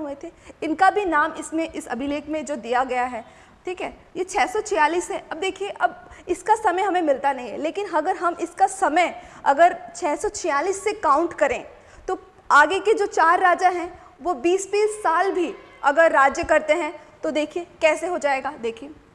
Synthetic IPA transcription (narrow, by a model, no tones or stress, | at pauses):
ɦuet̪ʰeɪnkabʱinaːmɪsmẽʔɪsɐ̰bʱɪleːkmẽd͡ʒoːd̪ijaɡɐjaɦɛː | ʈʰiːkɦɛːjet͡ʃʰɛːsɔt͡ʃʰɪjaːliːsɛʔɐb̚d̪eːkʰieʔɐb̚ɪskasɐməjɦɐmẽmɪlt̪anɐɦĩɦɛ̰leːkɪnɦɐɡəɾɦɐmɪskasɐməjɐɡəɾt͡ʃʰɛːsɔt͡ʃʰɪjaːliːsːekaːʊ̃ɳʈkɐɾẽ | t̪o | aːɡeked͡ʒoːt͡ʃaːɾːaːd͡ʒaɦɛ̃ | ʋobiːspiːlsaːlbʱi | ɐɡəɾːaːd͡ʒjəkɐɾt̪eɦɛ̃ | t̪od̪eːkʰiekɛːseɦod͡ʒaːeːɡaːd̪eːkʰie